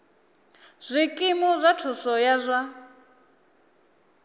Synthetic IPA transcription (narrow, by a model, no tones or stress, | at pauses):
z̥ʷikʼimɔzʷatʰusɔjazʷa